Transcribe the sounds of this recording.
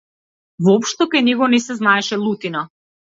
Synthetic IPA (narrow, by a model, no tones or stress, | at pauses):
vɔpʃt̪ɔkajnɛɡɔnɛsɛznaɛʃɛlˠut̪ina